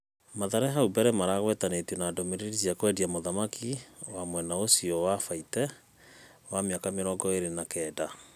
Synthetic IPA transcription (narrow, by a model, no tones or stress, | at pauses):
maðaɾɛɦaubɛɾɛmaɾaɣwɛtanetwenadɔmeɾeɾiziakwɛdiamoðamakʰiwamwɛnaosiɔwafaitɛ | wameakameɾɔɡɔeɾenakɛːda